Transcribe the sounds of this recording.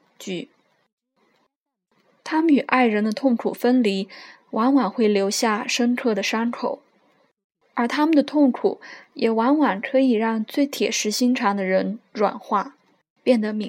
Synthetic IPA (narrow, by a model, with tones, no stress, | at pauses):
t͡ɕy˧˩ | t̪ʰa˥mə˨ny˨˩ʔa˥˩ɪɻə˧˥nd̪ə˧t̪ʰʊ˥˩ŋkʰu˨˩fə˥nli˧˥ | wʔa˧˥nwa˨˩nxwe˥˩ɪljo˧˥ʊɕja˥˩ʂə˥ŋkʰɤ˥˩d̪ə˩ʂɑ˥ŋkʰo˨˩˦ʊ | ə˞˧˥t̪ʰa˥mə˨nd̪ə˩t̪ʰʊ˥˩ŋkʰṵ˨˩˦jɛ˨˩wa˧˥nwa˨˩ŋkʰɤ˧˥i˨˩ɻɑ˥˧ŋt͡swe˥˩ɪt̪ʰjɛ̰˨˩ʂɻ̩˧˥ɕi˥ŋʈ͡ʂʰɑ˧˥ŋd̪ə˧ɻə˧˥nɻwa̰˨˩nxwa˥˩ | pjɛ˥˩nd̪ə˩mi˧˥